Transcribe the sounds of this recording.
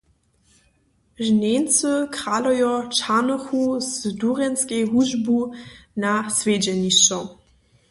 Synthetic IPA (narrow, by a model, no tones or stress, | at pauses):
ʒnent͡søkʁalɔjɔt͡ʃanɔxuzduʁɛnskejɦuʒbunasved͡ʑɛniʃɔ